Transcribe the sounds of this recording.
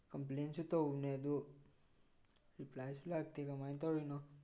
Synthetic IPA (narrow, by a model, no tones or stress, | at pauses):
kɔmplensut̪ɔned̪u | ɾiplajsulaɡ̚t̪ikamajnt̪ɔɾinɔ